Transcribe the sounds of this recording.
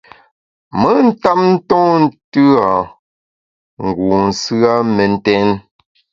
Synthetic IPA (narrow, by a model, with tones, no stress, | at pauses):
mə˦n̩˦ta˦p̚n̩˦tɔ̃˦n̩˦tʉ˦a˨ | ŋ˨ɡu˨n̩˨sɰa˦me˨n̩˦tɛ˦n